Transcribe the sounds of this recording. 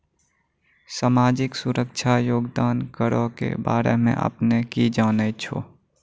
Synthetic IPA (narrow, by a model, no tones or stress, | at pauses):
saːmaːd͡ʒɪksʊɾəkt͡ʃʰajoːɡd̪aːnkəɾokḛba̰ːɾemḛ̃ʔə̰pnekid͡ʒaːnɛt͡ʃʰo̰